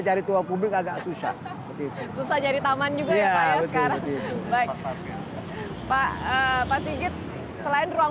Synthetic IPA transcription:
d͡ʒaɾit̪uaŋpublɪkaɡaʔsusa̰h | bət̪it̪ususahd͡ʒaɾit̪amand͡ʒuɡajaaaaəə̥kaɾaŋbaɪk | paəpaʔsiɡɪt̪̚ | səlaɪnrua

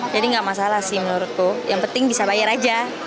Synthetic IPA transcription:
d͡ʒadiŋɡaʔmasalahsɪhmənuɾʊt̪ːʊjaŋpənt̪ɪŋbisabajaɾad͡ʒa

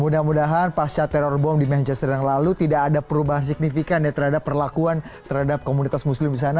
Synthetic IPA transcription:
mudahmudaɦanpast͡ʃat̪ɛɾɔrbɔmdimɛnt͡ʃɛst̪əɾaŋlalut̪idakːdapəɾubaɦans̬ik̚nifikanjat̪ərhadapːərlakuant̪ərhadap̚komunit̪asmuslɪmdis̬ana

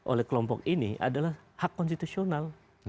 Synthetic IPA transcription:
ʔo̰lɛhkəlɔmpɔkiniʔa̰dalahhakːɔnst̪it̪usional

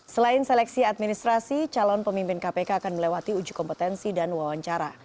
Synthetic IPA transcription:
səlaɪnsɛlɛk̚siat̪̚minist̪ɾasit͡ʃalɔnpəmimpɪnkapekaːkanməlewat̪iud͡ʒu̥kɔmpət̪ɛnsidanwawaɲt͡ʃaɾa

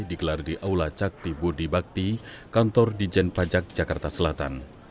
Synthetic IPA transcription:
diɡəlardiʔaulat͡ʃak̚t̪ibudibak̚t̪ikant̪ɔrdid͡ʒɛnpad͡ʒak̚d͡ʒakart̪asəlat̪a̰n

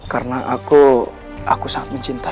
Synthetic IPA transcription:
karnaʔaku | ʔakusaŋat̪̚məɲt͡ʃint̪a

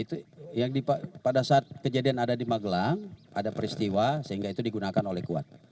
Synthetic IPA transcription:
it̪ujaŋdipapadasaːt̪̚kəd͡ʒadianadadimaɡəlaŋa̰dapəɾist̪iwasəɦiŋɡait̪udiɡunakanolɛhkua̰t̪̚

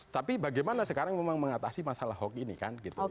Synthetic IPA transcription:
t̪apibaɡajmanasəkaɾaŋmemaŋməŋat̪asimasalahɦɔkinḭka̰nɡit̪u

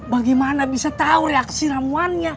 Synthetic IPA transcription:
baɡɛmanabisat̪auɾeaksiɾamuanja

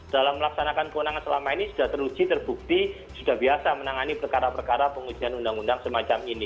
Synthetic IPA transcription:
d̥alamːəlaksanakankəwənaŋansəlamainisu̥d̥aht̪əru̥d͡ʒ̥it̪ərb̥uk̚t̪i | sud̥ahbiasamənaŋanipərkaɾapərkaɾapəŋud͡ʒ̥i̤ɦanundaŋundaŋsəmat͡ʃamini

